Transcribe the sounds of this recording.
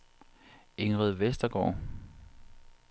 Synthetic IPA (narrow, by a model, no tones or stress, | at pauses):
e̝ŋʁəðˠʋesd̥ɐɡ̥ɒ̰ː